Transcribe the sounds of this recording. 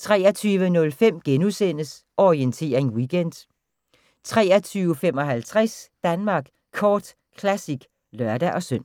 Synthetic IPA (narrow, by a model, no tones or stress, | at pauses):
t͡sʰʁɛːɐt͡sʰyːʋənɔ̽lfem̰ɡ̥enusen̰əs | ʔɒʁient͡sʰe̝̰ːɐʁeŋwiɡ̥en̰d̥ | t͡sʰʁɛ̰ːɐt͡sʰyːʊəfem̰ɒ̽ɦælt͡sʰʁasd̥ænmɑ̈ːɡ̥ | kʰɒːd̥ | kʰlæsiɡ̥ | lɶɐd̥æʔɒ̽søn̰